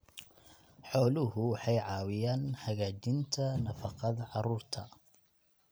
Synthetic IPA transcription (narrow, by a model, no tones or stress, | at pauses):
ħɔːlʊɦʊwħɑjʕɑːwɪjaːnħɐɣaːd͡ʒɪnt̪ʰɐnɐfɑqɑd̪ʕɑɾuːrt̪ʰɐ